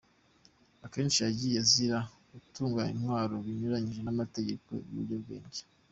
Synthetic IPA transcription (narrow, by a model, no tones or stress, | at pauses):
ake̞ːnt͡ʃijaɟijaziɾa | ɡutuːŋɡaḭnwaːɾo̞βiɲuɾaɲiʒe̞namate̞ɟe̞ko̞̰ṵβṵɾɟoβɡe̞̰ːɲɟe